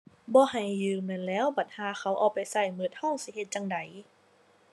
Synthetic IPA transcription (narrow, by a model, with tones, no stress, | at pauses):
bɔː˧˦ɦa˨˩jːɯː˧˩mɯ˧˥˨nlɛː˦˥˨wba˨˩t̪̚haː˧˦xʰa˧˩wʔɔː˧˩k̚pa˨jsa˧˩jmɯ˧ət̪̚hɔ˥˨ŋsi˧˦he˧t̪̚t͡ɕa˧ŋda˨˩j